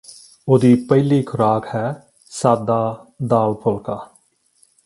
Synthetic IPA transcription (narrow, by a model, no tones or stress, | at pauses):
oːd̪iːpəiːliːkʰʊɾaːkhɛː | saːd̪aːd̪aːlpʰolkaː